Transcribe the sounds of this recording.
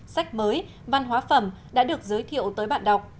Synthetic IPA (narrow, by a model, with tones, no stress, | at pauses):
sa˦˥jk̚məː˨˦j | va˨˧˩nɦwaː˨˦fə˨˧˩mɗa̰ː˧˥ɗɨ˨˩ək̚zəː˨˦jt̪ʰḭ˧˨əwt̪əː˨˦jɓa̰ː˧˨nɗa˨˩wk͡p̚